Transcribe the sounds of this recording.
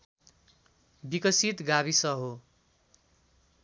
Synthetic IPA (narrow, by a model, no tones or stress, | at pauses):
bikʌsit̪ɡaβisʌɦo